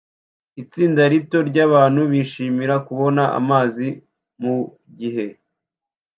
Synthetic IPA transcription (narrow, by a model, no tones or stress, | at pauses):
it͡siːndaɾito̞ɾɟaːβaːnhuβiʃiːmiɾakuβo̞naʔa̰maːzi | mu | ɟiɦe̞